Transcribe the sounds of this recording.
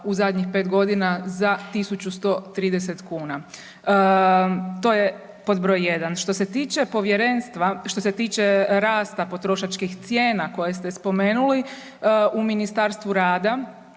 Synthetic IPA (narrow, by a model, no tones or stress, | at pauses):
uzad̪ʲɲixpe̞ːt̪ɡo̞d̪inazat̪isut͡ʃust̪o̞t̪ɾiːd̪eset̪kuːna | t̪o̞ːje | po̞d̪bɾo̞jje̞d̪anʃt̪o̞se̞t̪iːt͡ʃe̞po̞ʋjeɾe̞nst̪ʋaʃt̪oset̪iːt͡ʃeɾaːst̪apo̞t̪ɾo̞ʃat͡ʃkixt̪sjeːnako̞je̞st̪e̞spo̞me̞ːnuli | uminist̪aɾst̪ʋuɾaːd̪a